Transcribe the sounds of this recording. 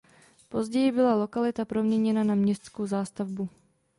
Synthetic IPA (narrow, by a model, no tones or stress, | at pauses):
po̞zɟɛjɪbɪlalo̞kalɪt̪apɾo̞mɲɛɲɛnanamɲɛst̪t͡skowzaːst̪avbu